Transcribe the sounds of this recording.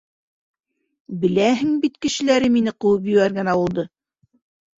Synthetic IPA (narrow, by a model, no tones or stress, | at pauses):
bɘ̆læɦɘŋbit̪kɘ̆ʃɘ̆læɾɘminɘqɤ̆wɤp̬jɘ̆wæɾɡæ̆næwŭlˠd̪ɤ